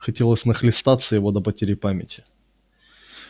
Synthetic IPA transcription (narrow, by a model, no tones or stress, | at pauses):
xɐtʲelˠəsʲnəxlʲɪst̪at̪səjɪvod̪əpətʲeɾʲɪpamʲɪ̰tʲɪ̥